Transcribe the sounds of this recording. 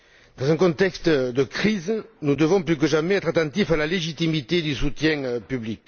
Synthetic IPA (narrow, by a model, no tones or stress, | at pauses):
d̪̥ɑ̃zɛ̃kɔ̃t̪ɛkst̪d̪əkχiznud̪əvɔ̃plyk̬əʒamɛɛt̪χat̪ɑ̃t̪ifalaleʒit̪imit̪ed̪ysut̪jɛ̃ŋøpyblik